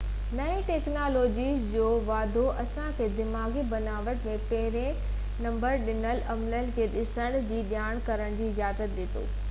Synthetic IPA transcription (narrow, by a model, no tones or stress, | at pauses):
nɐĩʈeːknaːloːd͡ʑiːzd͡ʑoːʋaːd̪ʱoʔɐsãkʰeːd̪ɪmaːɡibɐnaːʋəʈmẽpɐɦɪɾẽ | nɐ̃mbəɾɗɪnəlɐmlənɪ̆kʰeːɗɪsəɽ̃d͡ʑiːɗjaːɽ̃kɐɾəɽ̃d͡ʑiːɪzaːzət̪̚ɗɪt̪o̰ː